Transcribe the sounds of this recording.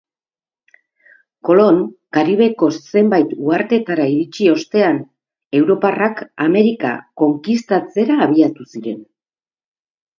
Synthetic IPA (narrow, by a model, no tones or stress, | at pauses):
ko̞lo̞ŋkaɾiβ̞e̞ko̞sse̞mbajt̪uaɾt̪e̞t̪aɾaiɾit͡ʃio̞st̪e̞an | e̞wɾo̞parakame̞ɾika̰ko̞ŋkist̪at͡se̞ɾaːβ̞iat̪usiɾe̞̰n